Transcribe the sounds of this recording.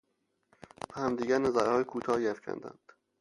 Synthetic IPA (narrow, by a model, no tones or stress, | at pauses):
bæhæmd̪iːɡæɾnæzæɾhɒːjekʰuːt̪ʰɒːjæfcʰæ̰nd̪æ̰nd̪̥